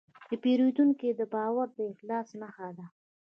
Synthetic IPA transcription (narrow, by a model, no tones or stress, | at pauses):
d̪əpeɾud̪uŋkid̪əbɑwaɾd̪əɪxlɑsməxad̪a